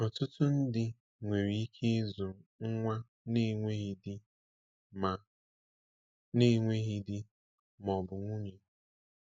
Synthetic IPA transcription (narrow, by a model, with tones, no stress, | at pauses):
ɔ˨tʊ˦tʊ˦n̩˦dɪ˨ | ŋʷe˨ɾi˨˦i˦kʰe˦zu˨ŋ̩˦ŋʷa˦ | ne˦ŋʷe˦ɦi˦di˦ | ma˨ | ne˦ŋʷe˦ɦi˦dɪ˦ | mɔ˨bʊ˨ŋʷu˦ɲe˨